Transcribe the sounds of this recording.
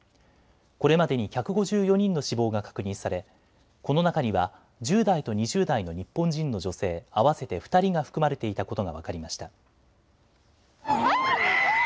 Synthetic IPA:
ko̞ɾe̞mad̪e̞ɲ̟içʲakɯ̟ɡo̞ʑɨːjo̞ɲ̟ĩnːo̞ɕibo̞ːɡakḁkɯ̟ɲ̟ĩɰ̃saɾe̞ | ko̞no̞nakaɲ̟iβa | d͡ʑɨːd̪ait̪o̞ɲ̟iʑɨːd̪aino̞ɲ̟ipːõ̞ɲd͡ʑĩnːo̞ʑo̞se̞ːaβase̞t̪e̞ɸɯ̟̥t̪aɾʲiɡaɸɯ̟̥kɯ̟maɾe̞t̪e̞it̪ako̞t̪o̞ɡaβa̰kaɾʲimaɕi̥t̪a

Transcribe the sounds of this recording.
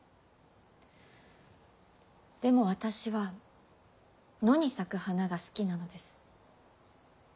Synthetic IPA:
d̪̥e̞mo̞β̞at̪aɕiβa | no̞ɲ̟isakɯ̟hanaɡasɨ̥kʲinano̞d̪e̞sɨ̥

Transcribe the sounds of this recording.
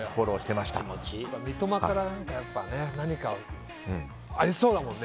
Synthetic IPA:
koɾoːɕi̥t̪e̞maɕi̥t̪a̰mot͡ɕipːamʲit̪o̞makaɾanãŋkajapːane̞naɲ̟ikaõ | aɾʲiso̞ːd̪amõ̞nːe

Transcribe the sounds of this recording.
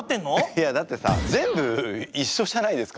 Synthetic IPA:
t̪ːẽnːojad̪at̪ːe̞sa̰zẽ̞mbɯ̟iɕːo̞ɕanaid̪e̞sɨ̥ka

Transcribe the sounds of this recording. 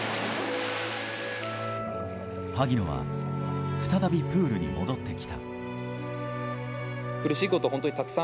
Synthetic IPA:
haɡʲinoβa̰ | ɸɯ̟̥t̪at̪abʲipɯːɾɯ̟ɲ̟ḭmo̞̰d̪o̞t̪ːe̞kʲi̥t̪a̰ | kɯ̟ɾɯ̟ɕiikoohont̪oɲit̪akɯ̟̥sã

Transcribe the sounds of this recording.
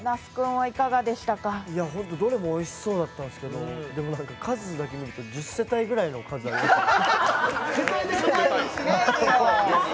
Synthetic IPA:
naskɯ̟̃ɰ̃βaikaɡad̪e̞ɕi̥t̪akaiaɦõ̞nt̪̬o̞d̪o̞ɾe̞mo̞ːiɕi̥so̞ːd̪at̪ːãñsɨ̥ke̞d̪o̞d̪e̞mo̞nãŋkakʰazɨd̪ake̞mʲiɾɯ̟t̪o̞d͡ʑɨsːe̞t̪aiɡɯ̟ɾaino̞kʰazɨaɾie | ao

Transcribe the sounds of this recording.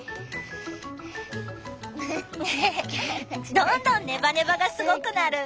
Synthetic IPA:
e | d̪õnd̪õ̞nːe̞bane̞baɡasɨɡo̞kɯ̟naɾɯ̟

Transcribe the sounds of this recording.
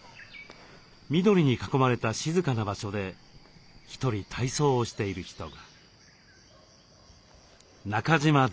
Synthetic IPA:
mʲid̪o̞ɾʲiɲ̟ikḁko̞maɾe̞t̪aɕizɨkanabaɕo̞d̪e̞ | çi̥t̪o̞ɾʲit̪ʰaiso̞ːɕi̥t̪e̞iɾɯ̟çi̥t̪o̞ɡa | nakaʑima

